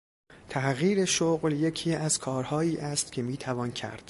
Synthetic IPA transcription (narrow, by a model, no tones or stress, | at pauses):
t̪ʰæhɣiːɾe̞ʃoɣlje̞cʰiːæz̥kʰɒːɾhɒːiːʔæst̪cʰe̞miːt̪ʰævɒːncʰæ̰ɾd̪̥